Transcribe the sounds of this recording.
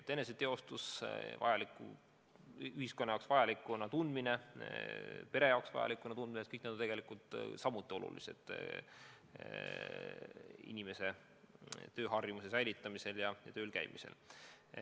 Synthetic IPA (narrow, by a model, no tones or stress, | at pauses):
et̪ːene̞s̬et̪e̞o̞st̪usvɑ̰jɑlikːˑṵ | yhiskonːɑjɑowksvɑjɑlikːˑunɑt̪und̪mine̞ | pe̞ɾe̞jɑwksvɑ̰jɑ̰likːˑunɑt̪und̪minet̪kɤjk̚næd̪ot̪e̞ɡe̞likˑult̪ˑsɑmut̪ˑːio̞lʔṵlḭse̞̰d̪̥ | ḭnime̞se̞ | t̪ø̞ːɦɑrjumusesæjlit̪ːˑɑmise̞ljɑjɑ̰t̪øːlkæ̰jmḭse̞̰l